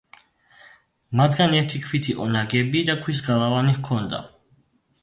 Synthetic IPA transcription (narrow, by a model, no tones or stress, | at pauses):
mat̪ʰɡanɛɾt̪ʰikʰwit̪ʰiʔʼɔnaɡɛbid̪akʰwisɡalˠavanihkʰɔnd̪a̰